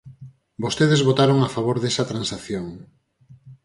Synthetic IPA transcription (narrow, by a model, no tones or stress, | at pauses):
bost̪eð̞ezβot̪aɾoŋafaβ̞oɾðesɐt̪ɾansaθjoŋ